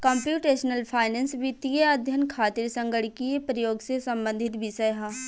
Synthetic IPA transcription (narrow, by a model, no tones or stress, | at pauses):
kɐ̃mpjuːʈeːʃnəlpʰaːɪnẽːnsbʱit̪ijeəd̪ʱjənkʰaːt̪ɪɾsə̃ŋɡəɽkiepɾɐjoːɡsesɐ̃mbə̃nd̪ʱɪt̪bisɐjɦaː